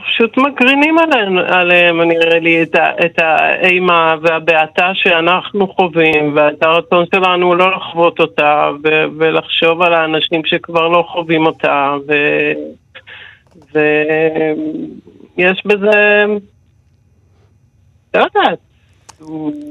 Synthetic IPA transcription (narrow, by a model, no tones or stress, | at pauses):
paʃut̪makʁinimalenaleemaniʁelieta̰ʔetaejmaveabeataʃe̞anaχnuχo̞vimveet̪aʁat͡so̞nʃe̞lanulo̞laχvo̞to̞tavevelaχʃo̞valaːnaʃimʃe̞kvaʁlo̞χo̞vimo̞tave | ve | jeʃbeze̞ | lojd̪at̪̚ | u